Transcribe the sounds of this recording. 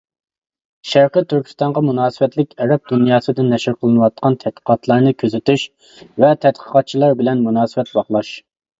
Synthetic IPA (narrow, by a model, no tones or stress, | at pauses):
ʃæɾqət̪ʰyɾkʲʰi̥st̪ɑɴʁɑmunɑːsɨwɛt̪lɪkʲɛɾɛp̚d̪unjɑːsɨd̪ɪnːɛʃɪɾqʰəlˠɨnɨwɑt̪̚qʰɑnt̪ʰɛd̪̥̚qʰə̥qɑt̪ʰlˠɑɾnɨkʲʰøzɪt̪yʃ | vɛt̪ʰɛt̪̚qʰə̥qɑt̪̚t͡ʃʰilˠɑɾbɪlɛnmunɑːsɨwɛt̪bɑχlˠɑʃ